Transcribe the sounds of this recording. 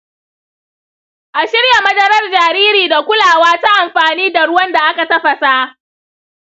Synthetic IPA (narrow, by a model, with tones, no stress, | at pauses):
ʔa˨ʃɪ˦ɽja˨mɐ˦dɐ˦ɾɐ˦rd͡ʒaː˨ɾiː˦ɾiː˨da˨kʷʊ˦laː˨waː˦ta˦ʔa˨mɸaː˨niː˦da˨ɽʊ˦wɐ˦nda˨ʔa˦ka˨tɐ˦ɸa˨ta˦